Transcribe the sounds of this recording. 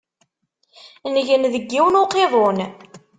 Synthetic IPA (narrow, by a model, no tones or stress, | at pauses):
nəʝənðəɡːiwnoqeðˤon